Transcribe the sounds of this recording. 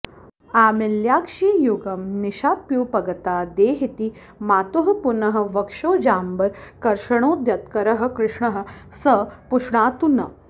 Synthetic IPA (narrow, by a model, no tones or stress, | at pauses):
aːmiljaːkʂijuɡɐmniʃaːpjuːpɐɡɐt̪aːd̪eːɦit̪i | maːt̪uɦɐpunɐɦɐ̆ʋɐkʂoːd͡ʑaːmbɐɾkɐɾʂɐɳ̃oːd̪jɐt̪kɐɾɐɦɐ̆kɾɪʂɳɐɦə̆səpuʂɳaːt̪unɐ